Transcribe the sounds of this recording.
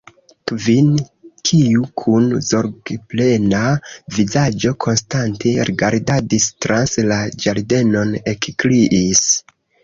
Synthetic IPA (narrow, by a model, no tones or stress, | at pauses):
kvinkʰiukʰunzo̞ɾɡple̞navizad͡ʒo̞kʰo̞nstantʰe̞ɾiɡaɾdadistɾanslad͡ʒaɾde̞no̞nekkliʔis